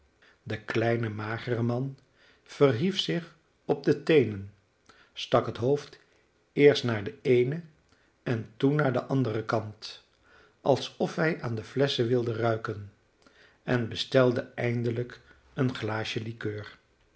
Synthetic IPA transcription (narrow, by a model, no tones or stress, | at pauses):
dəklɛjnəmaːχərəmɑn | v̥ərɦifsɪχ | ɔb̚dətejnən | stɑkɦətɦowft | ɪːɹstnaːɹdəejnə | ɛntunːaːɹdə̰ʔɑndərəkɑnt | ʔɑlˠsɔfɦɛjaːndəflɛsəʋɪlˠdərœɥkən | ɛnbəstɛlˠdəɛjndələk | ənχlaːʃəlikøːɹ